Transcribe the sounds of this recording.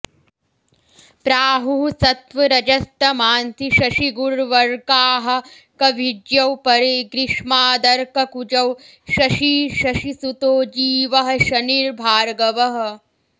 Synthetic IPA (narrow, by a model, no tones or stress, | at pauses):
pɾaːɦuɦusɐt̪ʋɐɾɐd͡ʒɐst̪ɐmaːnt̪ʰiʃɐʃiɡuɾʋɐɾɡaːɦɐ̆ | kɐʋid͡ʒjɐwpɐɾiɡɾiʂmaːd̪ɐɾkɐkud͡ʒɐw | ʃɐʃiːʃɐʃisut̪oːd͡ʒiːʋɐɦɐ̆ʃɐniɾbʱaːɾɡɐʋɐɦɐ̆